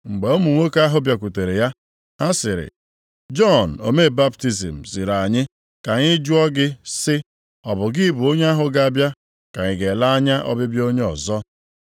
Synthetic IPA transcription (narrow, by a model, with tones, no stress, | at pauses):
ŋ͡m̩˨ɡ͡be˨o˦mu˨ŋʷo˦ka˦ɦʊ˦bja˨kʷu˨te˨ɾe˨ja˦ | a˦sɪ˨ɾɪ̰˨ | d͡ʒɔ˦˨n̩˨o˨me˦˨ba˦pti˦zi˨m̩˨zi˨ɾa˨ɲɪ˦ | ka˨ɲɪ˦d͡ʒu˦ɔ˦ɡɪ˦sɪ˦ | ɔ˨bʊ˨ɡɪ˦bu˨o˦ɲe˦a˦ɦʊ˦ɡa˦˨a˨bja˦ | ka˨ɲɪ˨ɡe˨la˦ɲa˦ʔɔ̰˦bɪ˦bjo˦ɲe˦ɔ̰˨zɔ˦